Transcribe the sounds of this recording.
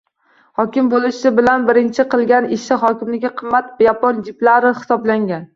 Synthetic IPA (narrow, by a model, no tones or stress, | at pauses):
hɒkʲɪmbolɪʃɪbɪlanbɪɾɪnt͡ʃʰɪqʰɨlˠɡʲanɪʃɪɦɒkʲʰɪmlɪɡʲɪqʰɨmːat̪vajapʰɒnd͡ʒɪplaɾɪχɪ̥sɒblaŋɡʲan